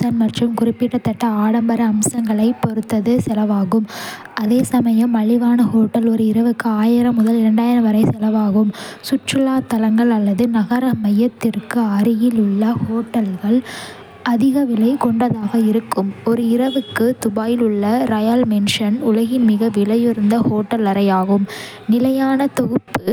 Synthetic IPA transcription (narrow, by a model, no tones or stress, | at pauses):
sɐnmɐʈrɯmkʊɾɪpːɪʈːɐt̪ːɐʈːɐaːɽɐmbɐɾɐːmsɐŋɡɐɭɐɪpːɔɾɯt̪ːɐðɯsɛlɐʋaːɣɯm | ʔɐðeːsɐmɐjɐmːɐɭɪʋaːnɐhoːʈːɐlɔɾɯɪɾɐʋɯkːɯaːjɪɾɐmʊðɐlɪɾɐɳɖaːjɪɾɐʋɐɾɐɪsɛlɐʋaːɣɯmsʊʈrɯlaːt̪ɐlɐŋɡɐɭɐlːɐðɯnɐɣɐɾɐmɐjɐt̪ːɪrkɯɐɾɪjɪlʊɭːɐhoːʈːɐlɣɐɭ | ɐðɪɣɐʋɪlɐɪkɔɳɖrɐðaːɣɐɪɾɯkːɯmɔɾɯɪɾɐʋɯkːɯt̪ʊbaːjɪlʊɭːɐɾɐjaːlmɛnʂɐnʊlɐɣɪnmɪɣɐʋɪlɐjɪɾɯnd̪ɐhoːʈːɐlɐɾɐjaːɣɯm | nɪlɐjaːnɐt̪ɔɣɯpːɯ